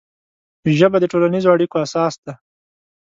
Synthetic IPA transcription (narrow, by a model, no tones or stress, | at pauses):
ʒəbad̪əʈolanizoaɽikoasɑsd̪a